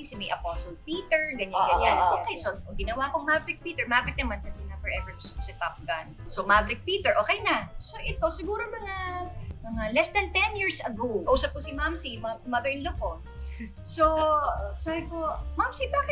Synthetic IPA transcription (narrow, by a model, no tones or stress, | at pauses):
sɪmɐjʔɐposolpiːt̪ɛɹɡɐɲaɡɐɲːanoːkɛjsoɡɪnɐwakoŋmabɾɪk̚piːt̪ɛɹmɐabɪt̪̚nɐmankɐsɛnɐfɛɹʔɛvɛɹssɛt̪ap̚ɡɐnsomabɾɪk̚piːt̪ɛɹʔo̞ːkɛjnɐsoʔɛt̪o̞sɪɡuːɾomɐŋamɐŋalɛsd̪ɐnt̪ɛnjiɹsɐɡowkɐʔuːsɐp̚kosɪmamsimɐamɐðɛɹnloko | sosabɪkomamsibaːkɪ